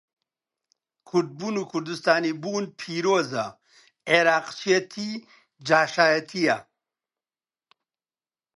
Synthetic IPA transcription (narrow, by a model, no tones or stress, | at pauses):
kʰuɾd̪̚bunukʰuɾd̪ust̪aːnibuːnpʰiɾoːzɐ | eɾaːqt͡ʃijɐt̪ʰi | d͡ʒaːʃaːjɐt̪ʰija